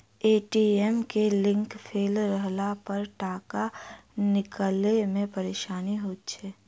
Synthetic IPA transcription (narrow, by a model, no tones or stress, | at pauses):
eːʈiːɛmkelɪ̃ŋkpʰeːlɾəɦlapəɾʈaːkanɪkəlemẽpɐɾeːʃaːniɦoːt̪t͡ʃʰɛː